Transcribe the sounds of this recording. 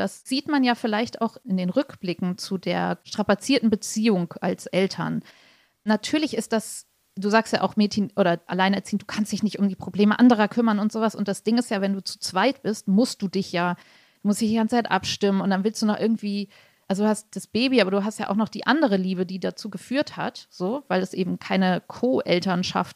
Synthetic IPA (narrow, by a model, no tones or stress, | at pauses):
d̥asz̥iːtmanjaːfɪlaɪçtʔa̰ʊxɪndeːnʁʏkb̥lɪkŋ̩t͡sudḛːɐʃtʁ̥apat͡siːɐtn̩bət͡siːʊŋʔa̰lsʔɛltʰɐ̰n | natʰyːɐlɪçɪst̚d̥as | d̥uːzaːkstjaːʔa̰ʊxmɛːtçənʔoːɾɐʔa̰laɪnɛɐt͡siːənd̥uːkʰanstd̥ɪçnɪçtʊmdiːpʁ̥obleːməʔandəʁ̞ɐkʰʏmɐnʊntz̥oːvasʔʊntd̥asd̥ɪŋɪstjaːvɛnduːt͡su̥t͡sv̥aɪtb̥ɪstmʊst̚d̥uːdɪçjaː | d̥uːmʊstd̥ɪçd̥iɡant͡sət͡sʰaɪtʔa̰pʃtɪmənʊntd̥anvɪlstd̥uːnɔχʔɪɐɡŋ̩tv̥iː | ʔalzoduːhast̚d̥asb̥eːbiʔaːbɐduːɦastja̰ːʔaʊnɔχd̥iːʔandəʁ̞əliːbədiːdat͡suːɡəfyːɐtha̰tz̥oːvaɪlɛsʔeːbm̩kʰaɪnəkʰoːʔɛltɐnʃa̰ft